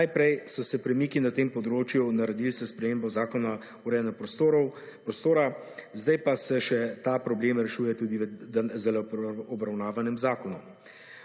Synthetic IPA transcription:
najpɾɛjsɔsɛpɾɛmiːkinat̪eːmpɔd̪ɾoːt͡ʃjunaɾɛd̪ilsɛspɾɛmeːmbɔzaːkɔna | uɾɛnɛpt̪oɾ | pɾɔst̪oːɾa | zd̪ajpasɛʃɛt̪apɾɔbleːmɾɛʃuːjɛt̪uːd̪izɛlɔbɾawnaːʋanɛmzaːkɔnɔm

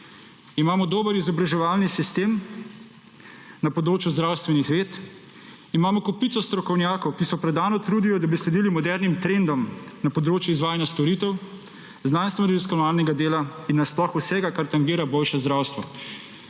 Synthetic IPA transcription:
imaːmɔd̪oːbəɾizɔbɾaʒɛʋaːlnisist̪eːm | napɔd̪ɾoːt͡ʃjuzd̪ɾawst̪ʋɛnixʋeːt̪ | imaːmɔkɔpit̪sɔst̪ɾɔkɔwnjaːkɔwkisɔpɾɛd̪aːnɔt̪ɾuːd̪ijɔd̪abislɛd̪iːlimɔd̪ɛɾnimt̪ɾend̪ɔmnapɔd̪ɾoːt͡ʃjuizʋaːjanjast̪ɔɾit̪ɛw | znanst̪ʋɔɾɛziskɔnaːlnɛɡad̪eːlainːasplɔxusɛɡakaɾt̪aŋɡiːɾaboːlʃɛzd̪ɾawst̪ʋɔ

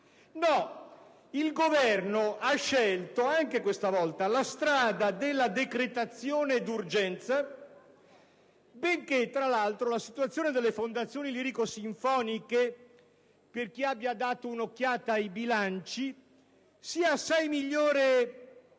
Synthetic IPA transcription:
nɔ | ilɡovɛrnoʔaʃːɛlt̪oaŋkekwest̪avɔlt̪alast̪ɾaːd̪ad̪elːad̪ekɾet̪at̪sːjoːned̪urd͡ʒɛnt̪sa | beŋket̪ːɾalːalt̪ɾolasit̪uwat̪sːjoːned̪elːefond̪at̪sːjoːniliɾikosiɱfɔːnike | perk̟iabːjad̪aːt̪ounok̟ːjaːt̪aːjbilant͡ʃi | siːaːsːajmiʎːoːɾe

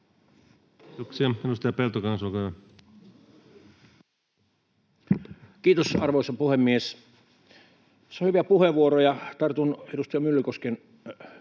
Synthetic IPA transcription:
t̪oksiɑenust̪ɑjɑpelt̪okɑnsokɑjɑ | kiːt̪osɑrʋoˑisɑpuhemːies | seohyʋiæpuheʋuoɾojɑt̪ɑrt̪unedust̪ɑjɑmylːykosken

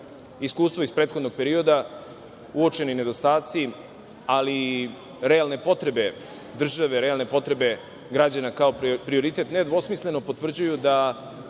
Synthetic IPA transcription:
iskuːst̪ʋo̞ispɾet̪xod̪no̞ɡ̚pe̞ɾio̞d̪a | uot͡ʃe̞nine̞d̪o̞st̪aːt̪si | ali | ɾealˠne̞po̞t̪ɾe̞be̞ | d̪r̩ʒaʋe̞ɾealˠne̞po̞t̪ɾe̞be̞ | ɡɾad͡ʑanakao̞pɾio̞ɾit̪e̞t̪ned̪ʋo̞smisle̞no̞po̞t̪vr̩d͡ʑujud̪a

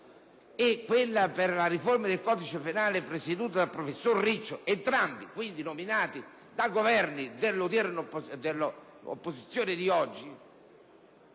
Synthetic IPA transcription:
ekːwɪlːaperlaɾiformad̪elkɔːd̪it͡ʃepenaːlɪpɾesed̪uːt̪ad̪alpɾofesːorːit͡ʃːoent̪ɾambikwind̪inominaːt̪i | d̪aɡovɛrnid̪elːot̪ɛɾenopːd̪elː | o̰pːozit̪sːjoːnɪd̪iɔd͡ʒːi

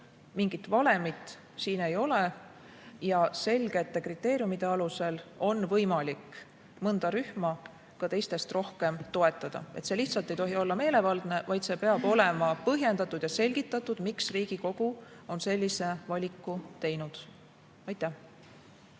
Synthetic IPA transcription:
miŋɡit̪ːvɑle̞mit̪ːˑ | siːne̞jo̞le | jɑse̞lʲɡ̥e̞t̪ˑːe̞krit̪ːˑe̞ːɾijumid̪̥e̞ɑluse̞lo̞nvɤjmɑlik | mɤnd̪̥ɑɾyhmɑ | kɑt̪e̞jst̪e̞st̪ro̞hke̞mt̪o̞e̞t̪ːˑɑd̪̥ɑ̰e̞t̪se̞liçt̪sɑlt̪e̞jt̪o̞ɦio̞lːɑme̞ːle̞vɑld̪̥ne̞vɑjd̪se̞pe̞ɑb̥o̞le̞mɑpɤɦje̞nd̪ɑt̪ːˑud̪̥jɑse̞lʲɡ̥it̪ˑːɑt̪ːˑud̪̥miksriːɡ̥iko̞ɡ̥uo̞nse̞lʲːise̞vɑlʲikːˑut̪e̞jnud̪̥ | ɑjt̪ˑːæh

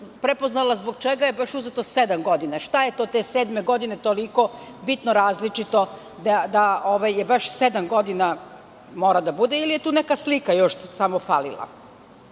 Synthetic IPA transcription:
pɾepo̞znalazboɡt͡ʃeɡajebaʃuzet̪osed̪amɡo̞d̪inaʃt̪aje̞t̪o̞ːt̪e̞se̞ːd̪me̞ɡo̞d̪ine̞t̪o̞liko̞ | bit̪noɾaːzlit͡ʃit̪o̞ | d̪ad̪aoʋajːebaʃsed̪amɡo̞d̪ina | mo̞ːɾad̪abud̪eilijet̪uːnekaslikajo̞ʃsamofa̰ːlḭlˠa̰

